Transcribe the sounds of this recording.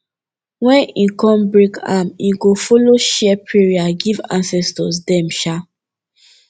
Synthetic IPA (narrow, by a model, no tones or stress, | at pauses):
wɛ̃nĩkɔ̃mbɹeka̰mĩɡofoloʃɛpɹiɹiaɡivã̰nsɛstɔ̰s̬dɛ̃mʃa